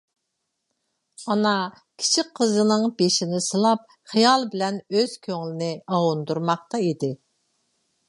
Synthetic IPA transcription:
ɑnɑ | kʲʰi̥t͡ʃʰiqʰːəzɨnɨŋbeʃinɪsɨlˠɑp̚ | χijɑlˠbɪlɛnøz̥kʲʰøŋlɪnɪɑwund̪uɾmɑq̚t̪ɑid̪ɪ

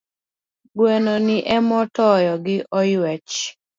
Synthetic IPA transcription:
ɡwɛnɔnɪʔɛmɔtɔjɔɡɪʔɔjwɛt͡ʃ

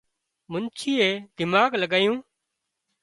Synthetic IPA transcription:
mʊnt͡ʃʰiːeːd̪ɪmaːɡləɡaːjũː

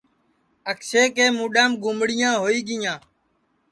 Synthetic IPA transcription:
əkseːkeːmũːɗaːmɡʊmɽɪjãːɦoːiːɡɪjãː

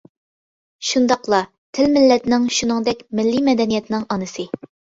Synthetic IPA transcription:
ʃund̪ɑqlˠɑ | t̪ʰɪlmɪlːɛt̪nɪŋʃunɨŋd̪ɛkʲmɪlːimɛd̪ɛnijɛt̪nɪŋɑnɨsɨ

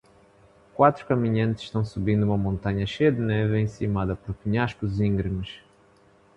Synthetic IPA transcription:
kwat̪ɾu̥kɐmiɲɐ̃nt̪ɨz̥ʃt̪ɐ̃w̃subĩnd̪uumɐmõnt̪aɲɐʃejɐd̪ɨnɛvẽsimaðɐpɔɾpiɲaʃkuzĩŋɡɾɨmɨʃ

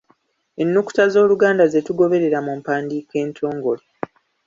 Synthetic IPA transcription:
e̞nːuku̥tazo̞ːluɡaːndaze̞tuɡo̞βe̞ɾe̞ɾamumpaːndiːke̞ːntʰo̞ːŋɡo̞le

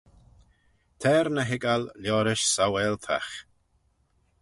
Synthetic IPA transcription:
t̪ʰɛːɾnəɦɪɡalljɔːɾɪʃsawɛːlt̪ʰa̰x

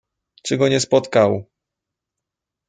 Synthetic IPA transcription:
t͡ʂɘɡɔɲɛspɔt̪kaw

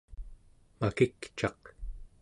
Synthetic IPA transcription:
makikt͡ʃɑq

